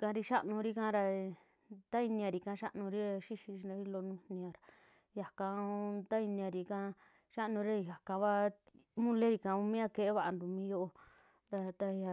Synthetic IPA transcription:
kã˧ɾi˧ʃa˦ʔnũ˧ɾi˦kã˧˦˧ɾa˧ | t̪a˦i˧nĩ˧ã˧ɾi˧kã˧ʃa˦ʔnũ˧ɾi˦ɾa˧ʃi˦ʃi˧ʃi˧nã˧i˦lo˧nũ˧nĩ˧ã˧ɾa˨ | ja˨kã˧˦t̪a˦i˧nĩ˧ã˧ɾi˧kã˧˦˧ | ʃa˦ʔnũ˧ɾi˦a˦˧ja˨kã˧βa˦ | mũ˦le˦ɾi˧kã˧u˧mĩ˦a˦˧ke˧˨e˦βa˧ʔa˧nd̪u˨mĩ˧˦jo˦ʔo˧ | ɾa˧t̪a˧a˧

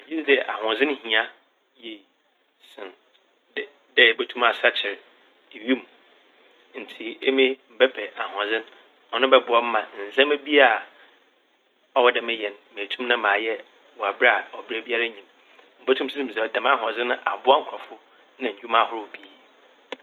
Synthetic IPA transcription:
d͡ʑi˦sdɪ˨ʔa̰˨ɦɔ̃˨zɪ̃˦n˦hĩ˨ã˦ | je˨ | sɪ̃˨n˨ | dɛ˦˨bo˦tʰũ˦ma˨sa˦t͡ɕʰɪ˨ɾ | ɪ˨ɥũ˦m | n̩˨tʰi˨e˦mĩ˦m̩˨bɛ˦pʰɛ˨a˨ɦɔ̃˨zɪ̃˦n | ɔ˨nʊ̃˦bɛ˦bʊ˨ɔ˦m̩˦mã˨n̩˨zã˦me˦bi˦a˦˨ | ɔ˦wɔ˦dɛ˦mɛ˦jɛ˨n˨me˨tʰũ˦mnã˦mãː˨jɛ˦ | wɔ˨a˨bɾa˦a˨ɔ˨bɾe˦bi˦a˦ɾa˦ɲĩ˨m | m̩˦bo˦tʰũ˦m˦si˦sĩ˦˨m̩˨sɛ˨ɔ˨dã˨mã˦ɦɔ̃˨zɪ̃˦nʊ̃˦ʔa˨bʊ˦a˦ŋ̩˦kʰa˨fʊ˦ | nã˨ɲ̩˨d͡ʑᶣu˦mã˦hʊ˦ɾʊ˦˨bi˦˨

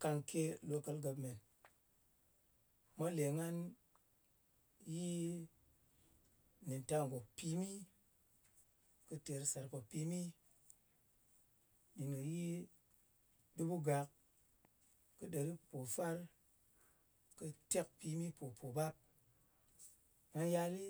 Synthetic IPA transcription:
ka˧ŋke˦lo˧kə˧lɡa˧pme˨n | ma˦le˨ŋa˦n | ji˦ | ni˨nta˧ŋ˨ɡo˨k̚pi˦mi˦ | kɨ˧te˨ɾsa˨ɾpo˨pi˧mi˦ | mi˨nɨ˨ji˦ | di˦bu˦ɡa˨k | kɨ˧ɗe˨ɾi˦po˨fa˦ɾ | kɨ˧te˦k̚pi˧mi˦po˨pʰo˨ba˦p̚ | ŋa˧nja˧li˦

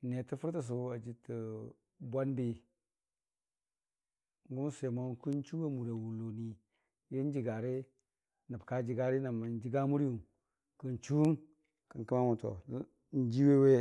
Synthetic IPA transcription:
ne˨tə˦fu˦ɾtə˦s̬u˨˦a˨d͡ʒi˨tə˨ | bʷa˦nbi˨ | ŋ˦ɡu˦m˦se˨mo˦ku˦nt͡ʃu˦wa˦mu˨ɾa˨wu˨lːo˨ni˨ | je˦n˦d͡ʒi˨ɡa˨ɾe˦ | na˨pka˨˦d͡ʒi˨ɡa˨ɾi˦na˨ma˨n˦d͡ʒi˦ɡa˦mu˦ɾi˦ju˨ | kə˨nt͡ʃu˦n | kə˨ŋki˦ma˦mu˨to̰˨˦ | n̩˨˦d͡ʒi˦we˦we˦

